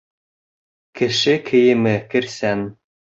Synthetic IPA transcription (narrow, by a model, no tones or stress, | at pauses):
kɘ̆ʃɘkʰɘ̆jɘ̆mɘkɘ̆ɾsæn